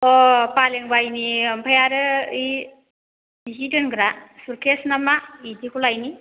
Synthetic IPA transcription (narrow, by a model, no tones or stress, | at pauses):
ɔpaleŋbajnimbʰʱajaɾɯɯj | iɦidɯnɡɾasuɾkʰesnamaidʰikʰulajni